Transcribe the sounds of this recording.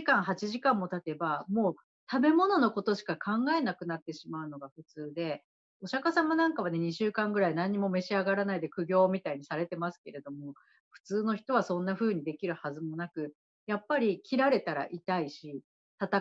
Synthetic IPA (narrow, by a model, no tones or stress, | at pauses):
kãɰ̃ɦat͡ɕiʑikãmːo̞t̪at̪e̞bamo̞ː | t̪abe̞mo̞no̞no̞ko̞t̪o̞ɕi̥kakʰãŋɡae̞nakɯ̟nat̪ːe̞ɕimaɯ̟no̞ɡaɸɯ̟t͡sɨːd̪e̞ | o̞ɕakasamanãŋkaβ̞ane̞ɲ̟iɕɨːkãŋɡɯ̟ɾainãɲ̟ːimo̞me̞ɕiaɡaɾanaid̪e̞kɯ̟ɡʲo̞ːmʲit̪aiɲ̟isaɾe̞t̪e̞masɨ̥ke̞ɾe̞d̪o̞mo̞ | ɸɯ̟̥t͡sɨːno̞çi̥t̪o̞βasõ̞nːaɸɯ̟ːɲ̟id̪e̞kʲiɾɯ̟hazɨmo̞nakɯ̟ | japːaɾʲikʲʰiɾaɾe̞t̪aɾa̰ʔit̪aiɕi | t̪at̪a